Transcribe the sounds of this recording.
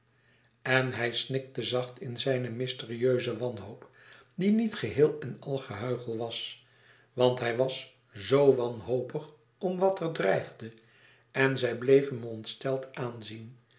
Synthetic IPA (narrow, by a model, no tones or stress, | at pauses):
ɛnɦɛjsnɪk̚təzɑχtɪnzɛjnəmɪstɪriøɥzəʋɑnɦoʊp | dinitχəɦɪːlˠɛnɑlˠχəɦœɥχəl̩ˠʋɑs | ʋɑntɦɛjʋɑs | zowʋɑnɦowpəχ | ɔmʋɑtərdrɛjχdə | ɛnzɛjblejvənmɔntstɛlˠtaːnzin